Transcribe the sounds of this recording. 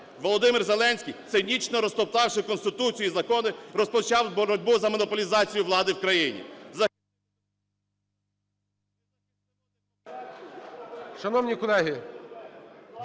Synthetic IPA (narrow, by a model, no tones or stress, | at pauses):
ʋɔlˠɔd̪ɪmɪrzelˠɛnʲsʲkʲijt̪sɪnʲit͡ʃnɔɾɔst̪ɔpt̪ɑwʃɪkɔnst̪ɪt̪ut͡sʲijizɐkɔnɪɾɔspɔt͡ʃɑwbɔɾɔdʲbʊzɐmɔnɔpɔlʲizɑt͡sʲijʊʋlˠɑd̪ɪwkɾɐjinʲḭzɐ | ʃɐnɔwnʲikɔlˠɛɦɪ